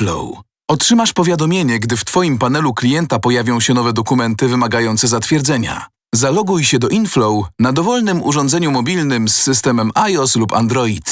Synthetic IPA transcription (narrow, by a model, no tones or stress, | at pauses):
lɔ̰w | ɔtʂɘmaʂpɔvʲjad̪ɔmʲjeɲɛɡd̪ɘft̪fɔjimpanɛluklʲijɛnt̪apɔjavʲɔ̃w̃ɕɛnɔvɛd̪ɔkumɛnt̪ɘvɘmaɡajɔnt̪sɛzat̪fʲjɛɾd̪zɛɲa̰ | zalɔɡujɕɛd̪ɔʔinflɔwnad̪ɔvɔlnɘmṵʐɔ̃nd̪zɛɲumɔbʲilnɘmsːɘst̪ɛmɛmajɔslupa̰nd̪ɾɔit̪